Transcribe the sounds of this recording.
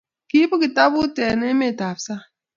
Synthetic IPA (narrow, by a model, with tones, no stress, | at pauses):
ki˦pu˦ki˨ta˦bu˦te˨ne˦me˦˨ta˨fsa˦